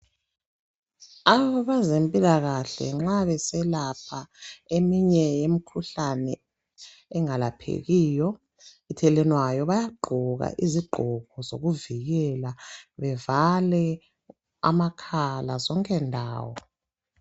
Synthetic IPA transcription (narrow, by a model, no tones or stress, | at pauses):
aβɔβazempʼilaɣaɬɛ̰ŋ͡ǁaβɛsɛlapʰaemiɲɛjemikʰuɬanɛ̰ | ɛŋalapʰḛɣiːjɔ | itʰɛlɛnwajɔβajaɡ͡ǃʱɔɣa̰ʔiziɡ͡ǃʱɔɡ̥ʱɔzo̰ɣuviɣɛlaβɛvalɛ | a̰makʰalazɔŋkʼɛndʱa̰ːwɔ